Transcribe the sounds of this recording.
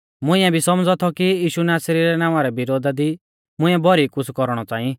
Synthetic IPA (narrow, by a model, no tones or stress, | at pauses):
mʊ̃ɪ̃ɛ̃bʱisɔmd͡zɔt̪ʰɔkiiːʃunaːsɾiɾɛnaːʊ̃ʋãɾɛbɪɾoːd̪ad̪i | mʊ̃ɪ̃ɛbʱɔɾikʊskɔɾɽ̃ɔt͡saːĩ